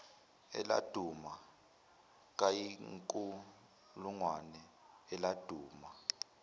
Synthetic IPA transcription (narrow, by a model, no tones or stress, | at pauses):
ɛ̰la̰d̥ʱuma | k̬ʼajiŋkʼu | luŋwanɛ | ɛlad̥ʱuːma